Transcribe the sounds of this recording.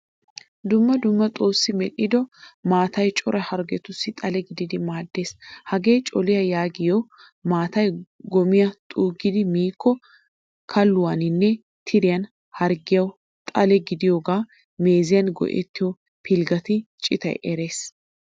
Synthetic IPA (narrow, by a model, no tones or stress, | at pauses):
d̪ʊmːɐd̪ʊmːɐt̪ʼoːsːɪmɛɗɪd̪ɔmaːt̪ɐjt͡ʃʼɔɾʔɐhɐɾɡɛt̪ʊsːɪt̪ʼɐlɛɡɪd̪ɪd̪ɪmaːd̪ːe̞ːshɐɡeːt͡ʃʼɔlɪjɐjaːɡɪjo | maːt̪ɐjɡɔmɪjɐt̪ʼuːɡɪd̪ɪmiːkːɔ | kʰɐlːʊwanɪnːɛ | t̪ʰɪɾɪjɐn | hɐɾɡɪjɐw | t̪ʼɐlɛɡɪd̪ɪjoːɡaː | me̞ːzɪjɐnɡɔ̰ʔɛ̰t̪ːɪjɔ | pʰɪlɡɐt̪ɪt͡ʃʼɪt̪ɐ̰jʔɛɾe̞ːs